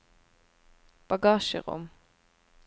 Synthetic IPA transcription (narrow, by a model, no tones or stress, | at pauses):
b̥ɑɡɑːʃə̰ʁʊ̰m